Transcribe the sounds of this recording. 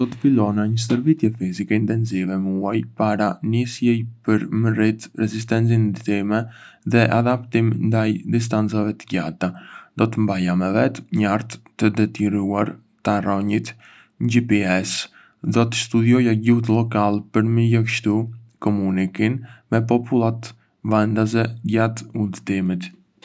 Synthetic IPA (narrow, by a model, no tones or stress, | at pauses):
d̪̥ɔt̪ə̥filɔnaɲəsəɾvit̪jɛfizikɛint̪ɛnzivɛmuajpaɾanisjɛjpəɾmərit̪ɾɛzis̬t̪ɛnt͡sind̪it̪imɛðɛʔad̪apt̪imnd̪ajd̪is̬t̪ant͡savɛt̪əɟat̪ad̪ɔt̪əmbajamɛvɛt̪ɲaɾt̪t̪əd̪ɛt̪iɾuaɾ | t̪arɔɲit̪ | ɲd͡ʒipiɛs | d̪ɔt̪əst̪ud̪jɔjaɟuht̪lɔkalˠpəɾməjəkʃt̪ukɔmunikinmɛpɔpulˠat̪ | vand̪azɛɟat̪ud̪t̪imit̪